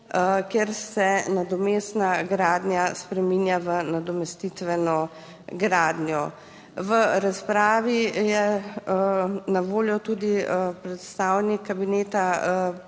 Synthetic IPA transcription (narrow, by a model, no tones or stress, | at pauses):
əkjeɾsɛnad̪ɔmeːsnaɡɾaːd̪njaspɾɛmiːnjaʋənad̪ɔmɛst̪it̪ʋɛnɔ | ɡɾaːd̪njɔ | ʋəɾaspɾaːʋijɛ | naʋoːljɔt̪uːd̪ipɾɛt̪st̪aːwnikʰːabineːt̪a